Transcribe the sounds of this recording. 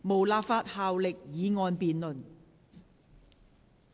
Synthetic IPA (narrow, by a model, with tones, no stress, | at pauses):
mo˨˩wlaː˧p̚faː˧t̚haː˨wlɪ˨k̚jiː˨˧ŋɔː˧npiː˨nlɵ˨n